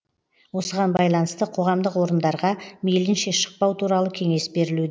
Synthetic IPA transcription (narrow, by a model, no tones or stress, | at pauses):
wo̞səʁɑnbɑjlˠɑnəst̪əqʰo̞ʁɑmd̪əqwo̞ɾənd̪ɑɾʁɑmejlɪnʃe̞ʃə̥q̚pɑwt̪ʰuɾɑlˠəkʲʰe̞ŋe̞sbe̞ɾɪlud̪